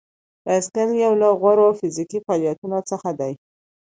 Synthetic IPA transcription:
d̪əaskaljawlaɣwaɾoafɪzikifɑlijat̪unot͡səxad̪aj

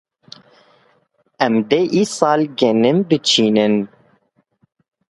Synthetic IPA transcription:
ɛmd̪eʔisɑːlɡɛnɨmbɨt͡ʃʰiːnɨn

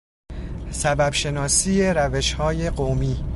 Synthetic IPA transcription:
sæbæbʃe̞nɒːsiːjeɾæve̞ʃhɒːje̞ɢomiː

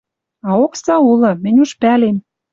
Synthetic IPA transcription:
ɑoksɑulɤ̆mɘ̆nʲuʃpælem

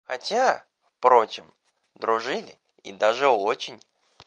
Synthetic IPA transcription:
xɐtʲa | fpɾo̞t͡ɕɪm | d̪ɾʊʐɨlʲɪ̰ | ḭd̪aʐɨot͡ɕɪnʲ

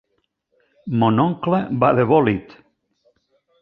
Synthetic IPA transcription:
monɔŋklebaðeβɔlit̪

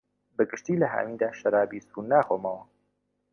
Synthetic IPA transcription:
bəɡɨʃt̪iːlɐɦa̰ːmiːd̪aːʃɐɾaːbisunaːxomɐwɐ

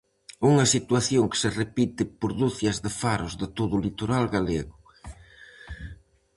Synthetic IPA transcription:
uŋɐsit̪waθjoŋkɪ̥serepit̪ɪpoɾðuθjɐzðɪfaɾʊzðɪt̪oðʊlit̪oɾalɣaleɣʊ

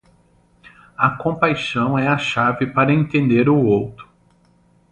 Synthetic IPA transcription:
ɐkõpajʃɐ̃w̃ɛɐʃavɪpaɾɐẽt̪ẽnd̪eɾʊowt̪ɾʊ̥

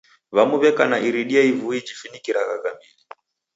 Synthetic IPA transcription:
βamuβɛkanaʔiɾiɗiaivuid͡ʒifinikiɾaɣaɣamili

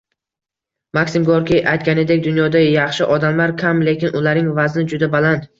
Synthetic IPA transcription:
makʲsɪmɡoɾkʲiʔajt̪kʲaned̪e̞kʲd̪ʊnjɒd̪ajɑχʃɪʔɒd̪amlaɾkʲʰamle̞kʲɪnʔʊlaɾnɪŋvaznɪd͡ʒʊd̪abalant̪

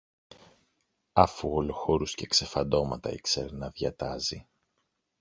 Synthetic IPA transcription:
ɐfuoloxo̞ɾusce̞kse̞fɐnd̪o̞mɐt̪ɐiksḛɾnɐðʝɐt̪ɐzi

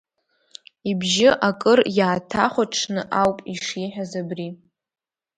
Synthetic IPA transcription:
ibʒɪʔakʼɨrjaːtʰaχʷaʈ͡ʂʰnɨʔawpʼiʂiħᶣazabri

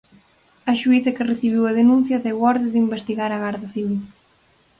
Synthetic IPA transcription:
ɐʃuiθɐkɪreθiβiwɐðenũn̟θjɐðewɔɾðɪðimbest̪iɣaɾɐɣaɾðɐθiβil

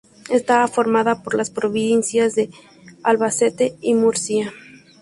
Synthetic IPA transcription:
est̪aafo̞ɾmaðapoɾlaspɾoβinsjazðe̞ | alβase̞t̪e̞imuɾsia

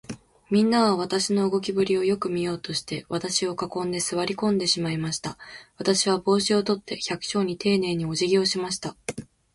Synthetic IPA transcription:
mʲĩnːaβaβ̞at̪aɕino̞ɯɡo̞kʲibɯ̟ɾʲio̞jo̞kɯ̟mʲijo̞ːt̪o̞ɕi̥t̪e̞βat̪aɕio̞kakõ̞nd̪e̞sɨβaɾʲikõ̞nd̪e̞ɕimaimaɕi̥t̪aβat̪aɕiβ̞abo̞ːɕio̞t̪o̞t̪ːe̞çakɯ̥ɕo̞ːɲ̟it̪e̞ːne̞ːɲ̟io̞ʑiɡʲio̞ɕimaɕ̬i̥t̪a

